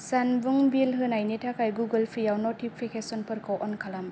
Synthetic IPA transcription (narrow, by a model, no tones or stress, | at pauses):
sanbuŋbilɦɯnajnetʰakajɡuɡɯlpʰijawnɔtipʰːekesɔnpɯɾkʰɔwʔɔnkʰalam